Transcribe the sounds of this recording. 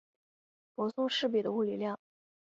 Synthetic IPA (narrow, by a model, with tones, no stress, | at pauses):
pwɔ˧˥sʊ˥˧ŋʂɻ̩˥˩p̬i˨˩d̪ə˦u˥˩li˨˩ljɑ˥˩ŋ